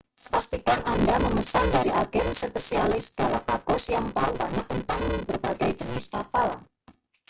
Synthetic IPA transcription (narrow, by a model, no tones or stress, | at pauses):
past̪ikanandaməməsandaɾiʔaɡɛnsəpesialɪsəɡ̥alahpaɡ̥ɔsjaŋt̪aubaɲak̚t̪ənt̪aŋbərbaɡajd͡ʒənɪskapal